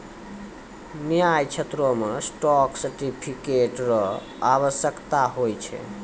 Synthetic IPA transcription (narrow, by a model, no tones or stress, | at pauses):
miajt͡ʃʰet̪ɾomesʈɔksəɾʈipʰikeʈɾɔ | aβəsjəkt̪aɦojt͡ʃʰɛ̰